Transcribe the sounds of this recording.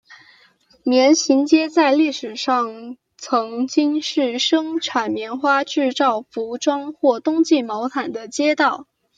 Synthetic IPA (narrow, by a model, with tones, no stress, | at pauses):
mjɛ˧˥nɕi˧˥nt͡ɕjɛ˥t͡sa˥˧ɪli˥˩ʂɻ̩˨˩ʂɑ˥˩ŋ | t͡sʰɤ˧˥ŋt͡ɕi˥ŋʂɻ̩˥˩ʂɤ˥ŋʈ͡ʂʰwa˨˩nmjɛ˧˥nxwa˥ʈ͡ʂɻ̩˥˧t͡sɑ˥˩ʊfu˧˥ʈ͡ʂwɑ˥ŋxwɔ˥˩t̪ʊ˥ŋt͡ɕi˥˩mɑ˧˥ʊt̪ʰa˨˩nd̪ə˦t͡ɕjɛ˥t̪ɑ˥˩ʊ